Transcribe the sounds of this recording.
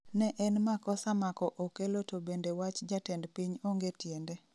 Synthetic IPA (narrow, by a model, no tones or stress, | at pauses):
nɛʔɛnmakɔsamakɔʔokelotobendewat͡ʃd͡ʒatɛndpiɲoŋɡetjende